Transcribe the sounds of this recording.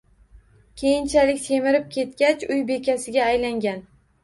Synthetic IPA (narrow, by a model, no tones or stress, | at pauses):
kʲʰe̞jɪnt͡ʃʰalɪkʲt̪ʰe̞mɪɾɪp̚kʲʰe̞t̪kʲat͡ʃʊjbe̞kʲasɪɡʲaːjlaŋɡʲan